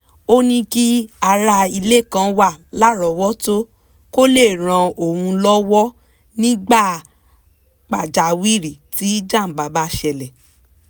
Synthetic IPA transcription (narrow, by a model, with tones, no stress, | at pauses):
o˦nĩ˧ki˦a˧ɾa˧i˧le˦˨kã˧˦wa˦˨la˦ɾɔ˨wɔ˦to˦ | ko˦le˦˨ɾ̃ã˧o˨hũ˧lɔ˦wɔ˦ | nĩ˦ɡ͡ba˦˨ | k͡pa˨d͡ʒa˨wi˦˨ɾi˨ti˨˦d͡ʒã˦˨m̩˨ba˨˦ba˧˦ʃɛ˧lɛ˨